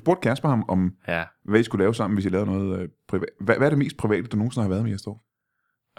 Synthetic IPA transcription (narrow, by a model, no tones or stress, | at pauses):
sb̥o̝ɐd̥̚kʰæɐsb̥hɑ̈mɒ̽mʋæisɡ̥ulɛːʊsɑ̈m̰n̩ʋe̝sjɑlɛːʊnɔ̽ːð̞̩ˠpʰʁiʋɛæʋæɐɾe̝me̝̰ːsd̥̚pʰʁiʋɛ̰ːd̥əd̥uno̝ːn̩sɔ̽n̩hɑʋæːɐð̞ˠmeæsd̥ɒ̰ː